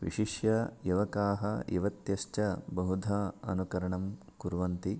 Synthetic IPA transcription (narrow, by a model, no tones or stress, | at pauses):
ʋḭʃiʃjɐjɐʋɐkaːɦɐḭʋɐt̪jɐʃt͡ʃɐbɐɦud̪ʱɐɐ̰nukɐɾɐɳɐm | kuɾʋɐnt̪i